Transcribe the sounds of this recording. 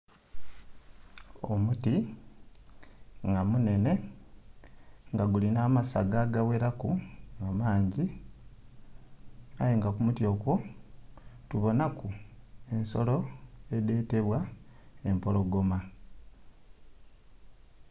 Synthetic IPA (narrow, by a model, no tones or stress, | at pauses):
omuti | ŋɡamune̞ne̞ | ŋɡaɡulinaːmasaɡaɡawe̞ɾakuŋɡamaːɲɟi | a̰jeŋɡakumutjo̞kwo̞ | tuβo̞nakue̞nso̞lo̞e̞de̞ːte̞βwaempolo̞ɡo̞ma